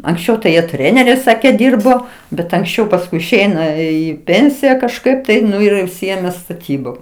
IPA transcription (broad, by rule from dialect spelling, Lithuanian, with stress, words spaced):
ɐŋksʲˈt͡ʃʲɛʊ tɐɪ ˈjiɛ ˈtʲrʲæːnʲɛrʲɛɪs ˈsɑːkʲeː ˈdʲiːrboː bʲɛt ɐŋksʲˈt͡ʃʲɛʊ pɐsˈkʊɪ ɪʃʲˈɛɪnɐ ˈiː ˈpʲeːnʲsʲɪjɛ kɐʃˈkɐɪp tɐɪ ˈnʊ ɪr jɛʊ ʊʃʲˈsʲɪeːmʲeː stɐˈtʲiːboːm